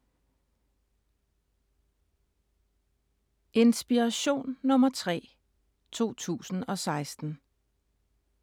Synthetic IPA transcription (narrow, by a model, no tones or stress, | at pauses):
ʔe̝nsb̥iʁaɕo̝̰ːnːɔ̽mɐt͡sʰʁɛ̰ː | t͡sʰo̝̰ːt͡sʰṵːsn̩ɒ̽sɑ̈ɪsd̥n̩